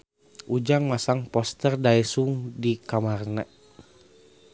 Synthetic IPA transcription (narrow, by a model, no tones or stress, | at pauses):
ʔud͡ʒaŋmasaŋpɔst̪ərdaɛsuŋdikamarnɛ